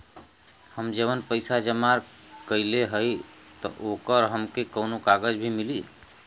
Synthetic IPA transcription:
həmd͡ʒebənpəɪsad͡ʒəmaɾ | kəɪleɦəj | t̪ɔ̰ʔokəɾɦəmkekəwnokaɡəd͡ʒbʱimili

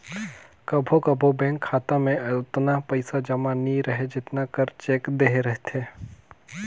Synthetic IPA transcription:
kɐbʱokɐbʱobɛ̃ːŋkʰːaːt̪amẽt̪napɐɪsad͡ʒɐmaniɾɐɦed͡ʒɪt̪nakɐɾt͡ʃeːkd̪eːɦeɾɛɦt̪eː

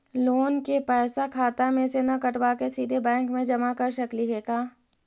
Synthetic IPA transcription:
loːnkepɛːsakʰaːt̪amẽsenɐkɐʈbakesiːd̪ʱebɛ̃ːŋkmẽd͡ʒɐmakɐɾʃɐkliɦeːkaː

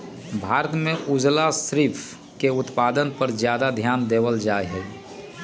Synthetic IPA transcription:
bʱaːɾət̪mẽʔud͡ʒlasɾiːpʰ | keʊt̪paːd̪ənpəɾzjaːd̪ad̪ʱjaːnd̪eːwəld͡ʒaːjɦɛ

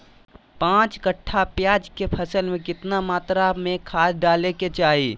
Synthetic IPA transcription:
pãːt͡ʃkəʈʰːapjaːd͡ʒkepʰɐsəlmẽkɪt̪namaːt̪ɾamẽkʰaːsɖaːleket͡ʃaːɦiː

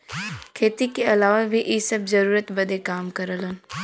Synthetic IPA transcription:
kʰeːt̪ikeɐlaːʋabʱiʔisɐbzɐɾuːɾət̪bɐd̪ekaːmkɐɾələn

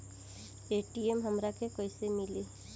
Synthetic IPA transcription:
eːʈiemɦəmɾakekoisemɪleː

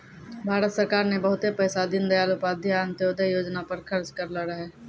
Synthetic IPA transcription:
bʱaːɾət̪səɾkaːɾnebəɦʊt̪epɛːsad̪ɪnd̪ɐjaːlʊpaːd̪ʱiaːnt̪joːd̪əjoːd͡ʒnapəɾkʰɐɾt͡ʃkəɾləɾəɦeː

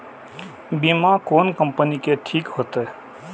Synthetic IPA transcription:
bimakoːnkə̃mpənikeʈʰiːkɦoːt̪ɛ

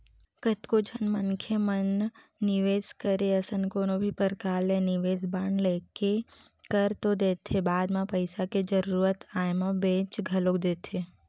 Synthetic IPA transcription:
kət̪kod͡ʒʱənmənkʰjəmənː | ɪʋeːskəɾeəsənkoːnobʱipəɾkaːlẽnɪʋeːzbaːɳleːke | kəɾt̪od̪eːt̪ʰebaːd̪mãpəɪsaked͡ʒəɾuːɾət̪aːjmãbẽːt͡ʃɡʱɐlokd̪eːt̪ʰe

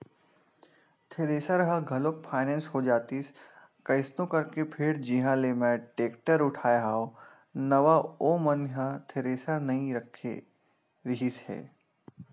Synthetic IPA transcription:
t̪ʰeɾeːsəɾɦɐɡʱɐlok̚pʰaːɪnɛ̃ːnsɦod͡ʒaːt̪is | kɐɪsnõkɐɾkepʰɪɾd͡ʒiɦãlemɛ̃ʈeːkʈəɾʊʈʰaːjɦaːo | nɐʋaoːmɐnɦɐt̪ʰeɾeːsəɾnɐɦĩɾɐkʰḛ | ɾɪɦishɛ̰ː

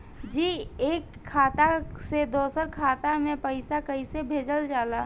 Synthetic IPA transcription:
d͡ʒiːeːkʰːaːt̪ased̪oːsəɾkʰaːt̪amẽpəɪsakəisebʱeːd͡ʒəld͡ʒaːla

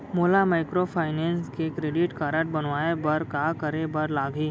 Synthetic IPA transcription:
moːlamaːɪkɾopʰaːɪneːnskekɾeːɖɪʈkaːɾəʈ̚bɐnʋaːebɐɾkaːkəɾebɐɾlaːɡʱiː

